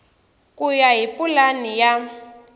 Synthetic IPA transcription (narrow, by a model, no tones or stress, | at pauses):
kʼujaɦipʼulanija